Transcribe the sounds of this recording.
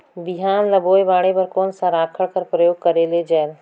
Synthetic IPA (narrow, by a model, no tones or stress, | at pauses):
bɪɦaːnləboːjbaːɽebəɾkoːnsəɾaːkʰəɽkəɾpɾəjoːɡ̚kəɾeled͡ʒaːl